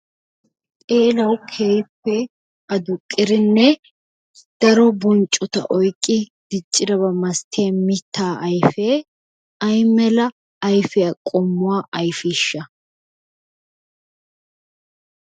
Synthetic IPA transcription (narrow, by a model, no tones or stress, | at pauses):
t̪ʼeːlɐwkʰeːjpːɛ | ʔɐd̪ʊkʼːɪɾɪnːɛ | d̪̥ɐɾɔbɔnt͡ʃʼɔt̪ɐ̰ʔɔjkʼːɪd̪̥ɪt͡ʃʼːɪdɐβɐmɐst̪ʰːjamɪt̪ːaːʔɐjfeː | ɐjmɛlɐː | jfɪɐkʼɔmːʊwaːʔɐjfɪʃːɐ